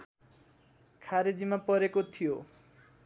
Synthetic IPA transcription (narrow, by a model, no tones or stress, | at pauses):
kʰaɾed͡zimapʌɾekot̪ʰijo